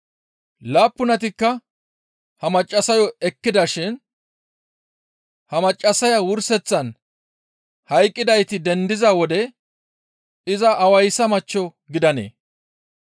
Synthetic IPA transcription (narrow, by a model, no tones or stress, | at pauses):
laːpːʊnɐt̪ɪkːɐ | hɐmɐt͡ʃʼːɐsɐjɔɛkːɪd̪ɐʃɪn | hɐmɐt͡ʃʼːɐsɐjɐwʊɾsɛt͡sːɐn | hɐjkʼːɪd̪ɐjt̪ɪd̪ɛnd̪ɪzɐwɔd̪ɛ | ɪzɐʔːwɐjsɐmɐt͡ʃːɔ | ɡɪd̪ɐnḛː